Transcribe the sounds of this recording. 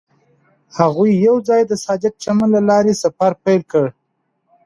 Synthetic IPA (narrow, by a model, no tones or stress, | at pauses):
haɣujːawd͡zɑjd̪əsɑd̪ɪk̚t͡ʃamanlalɑɾesafaɾpajlkəɽ